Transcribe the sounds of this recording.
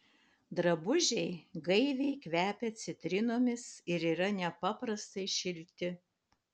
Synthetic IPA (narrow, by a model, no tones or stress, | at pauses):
d̪ɾɐbʊʒʲɛɪɡɐɪʋʲɛɪkʋʲæːpʲɛt̪sʲɪt̪ʲɾʲɪnoːmʲɪsɪɾiːɾɐnʲɛpɑːpɾɐst̪ɐɪʃʲɪlʲt̪ʲɪ